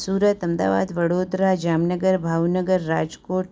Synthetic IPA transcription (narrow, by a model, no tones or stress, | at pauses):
suɾət̪əmd̪a̰ʋa̰d̪ʋəɽod̪ɾad͡ʒamnəɡəɾbʱawnəɡəɾːad͡ʒkoʈ